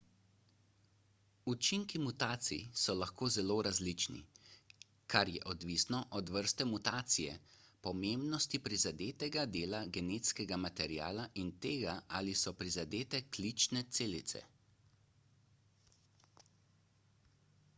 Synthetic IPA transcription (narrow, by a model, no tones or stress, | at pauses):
ut͡ʃiŋkimut̪aːt̪sḭjsɔlaxkoːzɛloːɾazlit͡ʃnḭ | kaɾjɛ̰ʔɔd̪ʋisnɔʔɔd̪ʋəɾst̪ɛmut̪aːt̪sijɛ̰pɔmeːmbnɔst̪ipɾizad̪eːt̪ɛɡad̪eːlaɡɛneːt̪skɛɡamat̪ɛɾija̰ːlaʔint̪eːɡaalisɔpɾizad̪eːt̪ɛklit͡ʃnɛt̪seːlit̪sɛ̰